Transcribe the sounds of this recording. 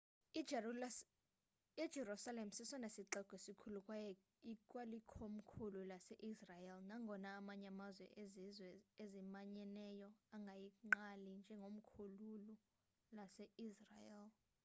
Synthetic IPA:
id̥ʒ̥ʱɛrusalem̩sisɔnesiǃɛkʼwisikʰulukʼwajɔ | ikʼwalikʰom̩kʰululasɛʔisrajɛlnaŋɡʱɔnaːmaɲamazwɛ̰wɛezimaɲɛnɛjɔaŋɡʱajiŋ͡ǃalind͡ʒʱɛŋɡʱom̩kʰululu | lasɛisrajɛl

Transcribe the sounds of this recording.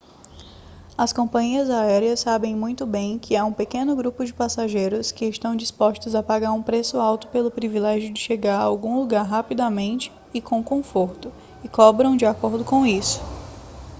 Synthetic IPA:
ɐskõmpɐ̃ɲiɐzaɛɾiɐsːabẽj̃mũj̃t̪ʊbẽj̃kʰɪaũpekẽnʊɡɾupʊd͡ʒɪpasaʒejɾʊskɪɪst̪ɐ̃w̃d͡ʒispɔst̪ʊzɐpaɡaɾũpɾesʊawt̪ʊ̥pelʊpɾivilɛʒjʊd͡ʒɪʃeɡaɾɐawɡũluɡaɾɦapid̪amẽnt͡ʃɪ̥ːkʰõw̃kõfoɾt̪ʊ | ɪkɔbɾɐ̃w̃d͡ʒɪakoɾd̪ʊkõw̃isʊ̥

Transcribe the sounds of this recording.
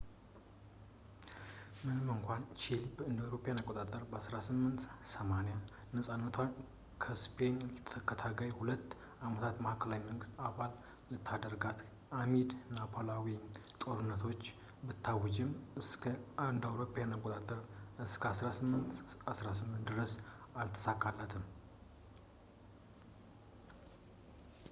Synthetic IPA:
mɨnɨmɨŋkʷant͡ʃʰilbəɨnd̪awɾo̞pʼjanakʼot̪ʼat̪ʼəɾbəasɾasɨmːɨnt̪səmaneja | nəsʼanːət̪ʰwan | kʰəspʰenlt̪ʰəkːət̪ʰaɡajhulət̪ː | amət̪ʰat̪məhakʰəlawiməŋɡɨst̪aβal | lɨt̪ʰːad̪əɾɡat̪ | ʔamid̪napʰolawi | t̪ʼo̞ɾɨnːət̪ʰo̞t͡ʃː | bɨt̪ʰːawɨd͡ʒɪmɨskʰəand̪awɾo̞pʰʼːajanakʷʼːot̪ʼat̪ʼəɾɨskʰəasɾasɨmːɨnt̪asɾasɨmːɨnt̪d̪ɨɾəsalt̪ʰːə̥sakʼːalːət̪ʰɨm

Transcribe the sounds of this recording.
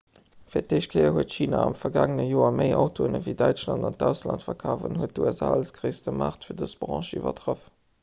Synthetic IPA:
fiːɐt̚deɪʃt̚kʰəɪɐhuətʃiːnaɑmfɐɡaːŋənəjoːɐməɪʔɑʊtʰoːənəviɪdæɪt͡ʃlɑndɑnt̚dæʊslɑntfɐkʰaːvənhuət̚duɛsaːləsɡʁeɪstəmaːχtfiːɐdəsb̥ʁɑ̰̃ːʃivɐ̰tʁəf

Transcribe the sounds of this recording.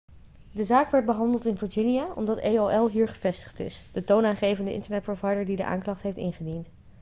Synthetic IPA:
dəzaːkʋɛɹd̚bəɦɑndəlˠtɪnvəɹd͡ʒɪnijaʔɔ̰mdɑtejoʔɛlˠɦiːɹχəv̥ɛstə̥χtɪ̰sd̥ətownaːnχejvəndəʔɪ̰ntəɹnɛt̚provɑjdəɹdidəʔa̰ːŋklɑχtɦejftɪ̰nχədint

